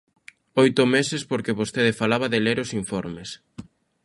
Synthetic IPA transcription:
ojt̪ʊmesespoɾkeβost̪eðefalaβaðeleɾosiɱfɔɾmes

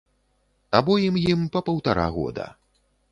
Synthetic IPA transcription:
abɔjimjimpɐpɐwt̪aɾa̰ɣɔ̰d̪ɐ̰

